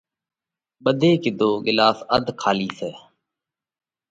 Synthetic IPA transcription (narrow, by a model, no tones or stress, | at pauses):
ɓəd̪ʱeːkɪd̪ʱoːɡɪlaːsəd̪ʱkʰaːliːseː